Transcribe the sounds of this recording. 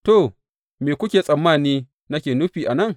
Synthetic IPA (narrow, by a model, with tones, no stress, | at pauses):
to˨ | meː˨kʷʊ˦kʲeː˨sʼɐ˨mːaː˦˨niː˦ | nɐ˦kʲeː˨nʊ˦ɸiː˨ʔa˨nɐ˦ŋ